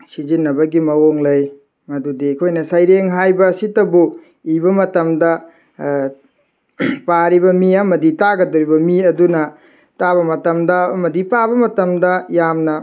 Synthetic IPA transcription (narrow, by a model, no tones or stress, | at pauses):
sizinːɐbɐɡimɐwoŋlɐj | mɐdudikʰojnɐsɐjɾeŋɦajbɐːsitɐbu | ibɐmɐtɐmdɐ | paɾibɐmiɐmɐditaɡɐdoɾibɐmiɐdunɐ | taβɐmɐtɐmdɐmɐdipabɐmɐtɐmdɐjamnɐ